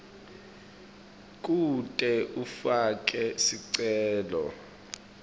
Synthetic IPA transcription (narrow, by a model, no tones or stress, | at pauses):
kʼutʼɛʔufak̬ʼɛsiǀɛːlɔ̰